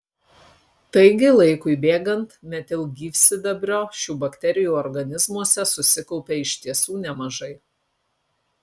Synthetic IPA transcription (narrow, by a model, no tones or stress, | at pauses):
t̪ɐɪɡʲɪlˠɐɪkʊɪbʲeːɡɐnt̪mʲɛt̪ʲɪlˠɡʲiːfʲsʲɪd̪ɐbʲɾʲoːʃʲuːbɐkt̪ʲɛɾʲɪjuːɔɾɡɐnʲɪzmuɔsʲɛsʊsʲɪkɔʊpʲeːɪʃʲt̪ʲiɛsuːnʲɛmɐʒɐɪ